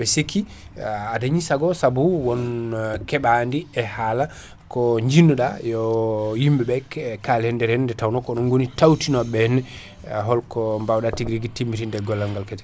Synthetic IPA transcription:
ɓɛsekʰːi | adaɲisaɡɔsabuwɔnkɛɓandiɛhala | kɔɲd͡ʒinuɗajɔjimbɛɓɛkkalɛndɛɾɛndɛtawnɔkɔnɔnɡonitawtinɔɓɛn | ɦɔlkɔmbawɗatiɡɾiɡitimːitindɛɡɔlːaŋɡalkɛtɛ̥

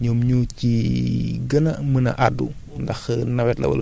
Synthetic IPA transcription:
ɲɔmɲuːci | ɡɐnɐmənɐ̰ʔadːṵ | ndɐxnɐwɛtlɐ̰wɐ̰l

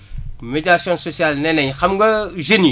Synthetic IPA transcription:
med͡ʒɾasjɔ̃sosialnɛnɛɲxamɡɐʒeni

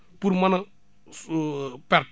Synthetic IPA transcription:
puɾmana | pɛɾt

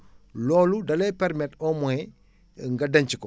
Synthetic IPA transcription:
lɔːludɐlɛpɛɾmɛtɔmɔɛ | ŋɡadɐɲt͡ʃikɔ

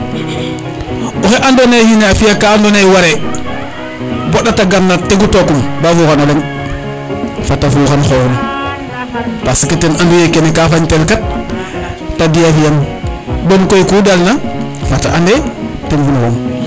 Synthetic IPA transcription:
oxeʔandonehineafiakaːndonejwaɾe | boɗataɡanːateɡutokumbafukanoleŋ | fatafuxanxojon | pasiketenandujekenekafaɲtelkat̚ː | adiafijam | bomkojikudalnafataʔandeteŋfunukom

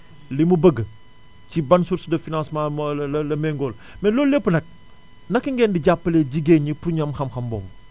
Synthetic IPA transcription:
limubɐɡə | cibɐnsuɾsudɐfinãnsmamlɐlɐmɛŋɡol | mɛloːllepːənɐk̚ | nɐkiŋɡɛːndiɟapːəleɟiɡeɲipuɲɐmxɐmxɐmbɔ̰m

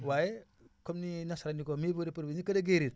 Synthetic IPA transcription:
waje | komninasaɾanikomibuɾipəɾbeɲikɐdɐɡeɾiɾ

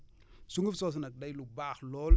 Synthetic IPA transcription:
suŋɡəfsos̬nak̚dajlubaxlol

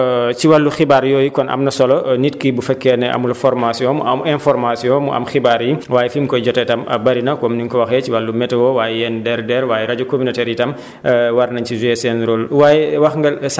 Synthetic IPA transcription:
ciwɐlːuxibaɾjɔːjikɔnʔɐ̰mnɐsɔlɔnitkibufɛkːɛnɛʔɐ̰mulɐfɔrmasjɔ̃muɐmɛnfɔɾmasijɔ̃ːmuʔɐ̰mxibaːɾjiwaːjɛfimkɔjɟɔtɛtɐmɐ̰bɐɾinɐkɔmniŋkɔwɐxɛciwɐlːumɛtɛwɔwaːjɛjɛndɛɾdɛɾwaːjɛɾɐɟukɔminɔtɛɾjitɐm | wɐrnɐɲcizuɛsɛnɾolwaːjɛwɐxŋɡɐls

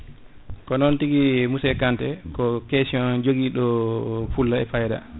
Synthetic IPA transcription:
kɔnɔntiɡimusɛkantɛkɔkesiɔnd͡ʒoɡiɗɔfulːaɛfajda̰

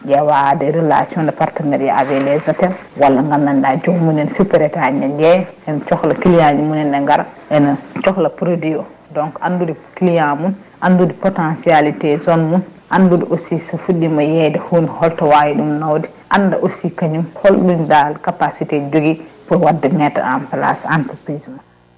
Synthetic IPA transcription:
d͡ʒɛwadɛɾɛla̰siɔndɛpaɾtanɛɾjɛʔavɛlɛzatɛl | walːaŋɡandandad͡ʒoɡmunɛnsupɛɾɛtaɲɛd͡ʒɛɛnt͡ʃɔklakilijaɲimunɛnɛŋɡaɾaʔɛnat͡ʃɔklapɾodijɔ | dɔŋkʔandudikilijamun | ʔandudipɔtansialitɛzɔnmunʔandudiʔosisafuɗimajɛdɛhunihɔltawajiɗumnawdi | ʔanda̰ʔosikaɲumhɔlɗundalkapasitɛd͡ʒoɡipɔwadːɛmɛta̰ampla̰santupɾizma

